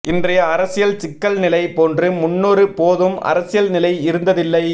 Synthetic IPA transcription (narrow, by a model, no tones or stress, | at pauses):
ʔɪndrɐjɐːɾɐsɪjɐlt͡ʃɪkːɐlnɪlɐɪpoːndrɯmʊnːoːɾɯpoːðɯmʔɐ̰ɾɐsɪjɐlnɪlɐɪɪɾɯnd̪ɐðɪlːɐɪ